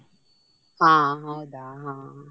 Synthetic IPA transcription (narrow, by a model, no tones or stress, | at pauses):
aɦɔdaɦa